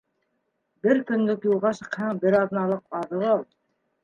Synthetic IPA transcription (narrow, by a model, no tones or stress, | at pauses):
bɘɾkɵ̆nlɵkjulˠʁɑʃɤ̆qhɤɴbɘɾɑðɤ̆nɑlˠɤqɑðɤɾɑlˠ